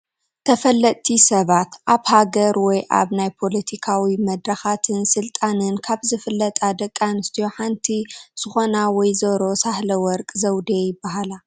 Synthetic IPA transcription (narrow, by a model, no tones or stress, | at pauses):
t̪ʰɐfɐlːɐt̪ʼt̪ʰisɐβat̪ʔaβhaɡɐɾwɔjʔa̰βnajpʰo̞lɐt̪ʰikʰawimɐd̪ɾɐxat̪ʰɨnsɨlt̪ʼanɨnkʰaβzɨfɨlːɐt̪ʼad̪ɐkʼːanɨst̪ʰijo̞ħant̪ʰiz̥ɨxo̞nawɔjzɐɾo̞sahlɐwɔɾkʼzɐwd̪ejɪbːaɦala